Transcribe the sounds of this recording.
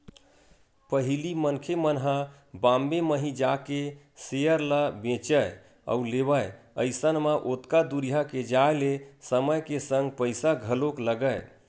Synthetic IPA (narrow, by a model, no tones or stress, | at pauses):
pəɦilimənkʰemənɦə | bãmbeməɦĩd͡ʒake | sejəɾləbẽt͡ʃəj | ə̰ulebəj | ə̰ɪsənmãʔot̪kad̪uɾiɦaked͡ʒaelesəməjkesəŋɡpəjsaɡʱəlokləɡəj